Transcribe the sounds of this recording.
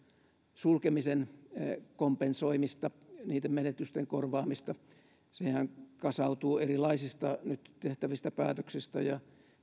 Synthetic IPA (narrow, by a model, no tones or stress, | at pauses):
sulkemisen | kompensoimist̪ɑniːt̪ːemmenet̪yst̪eŋkorʋɑːmist̪ɑ | sehæŋkɑsɑut̪uːerilɑisist̪ɑnyt̪t̪eht̪æʋist̪æpæ̰ːt̪øksist̪æjɑ